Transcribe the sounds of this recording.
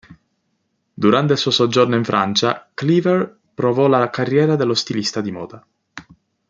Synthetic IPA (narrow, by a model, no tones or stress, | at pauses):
d̪uɾant̪eilsuosɔd͡ʒornoiɱfɾʔant͡ʃaklivɛr | pɾovɔlakarːjɛːɾad̪elːost̪ilist̪ad̪imɔ̰ːd̪a